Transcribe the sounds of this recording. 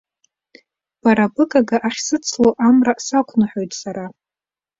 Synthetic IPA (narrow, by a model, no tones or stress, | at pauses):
b̥aɾabɨkʼaɡaʔaχʲsɨt͡sʰloʔamrasakʷʰnɨħo̞jtʼsaɾa